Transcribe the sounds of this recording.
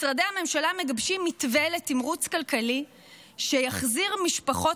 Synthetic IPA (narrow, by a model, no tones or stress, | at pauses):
sʁadehame̞mʃalame̞ɡabʃimːitveletimʁut͡skalkali | ʃejaχziʁmiʃpaχo̞